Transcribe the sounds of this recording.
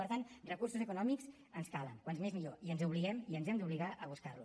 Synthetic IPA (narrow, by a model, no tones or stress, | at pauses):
əɾt̪anrəkursuzəkunɔmikz | ənskalə̰ŋkwanzmezmiʎoiənzuβliɣɛmiənzɛmd̪uβliɣaʔəβuskarlṵ